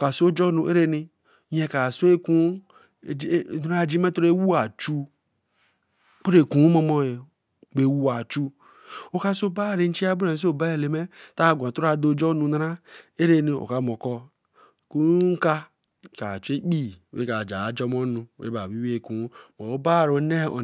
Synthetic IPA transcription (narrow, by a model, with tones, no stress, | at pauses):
o˨ka˨so˦d͡ʒo˦nu˨˦ʔe˦ɾe˦ni˦ | je˦ka˨su˦e˦kũ˦˨˦ | na˦ɾa˦˨d͡ʒi˦me˦to˦ɾe˦wu˦a˨t͡ʃu˦ | k͡po˦ɾe˨kũ˨˦mo˦mo˦e˨ | ɡ͡be˨wu˦a˨t͡ʃu˦ | o˨ka˦so˦ba˦˨ɾe˦n̩˦t͡ʃi˦a˦bu˦a˨s̬o˦˨ba˦e˨le˨me˦ta˦˨ɡʷa˨tu˦ɾa˨do˦˨d͡ʒo˦nũ˨na˦ɾa˦e˦ɾe˦ni˨o̰˨ka˦mo˨kɔ˦˨ | ku˦ŋ̩˦ka˦ | ka˨t͡ʃu˦e˦k͡pi˦˨wḛ˦ka˨d͡ʒa˨a˨˦d͡ʒɔ˦m˦o˦nu˨ḛ˦ba˨wi˦we˦˨ku˨˦mo˨o˦ba˦˨ɾo˨˦ne˦o̰˨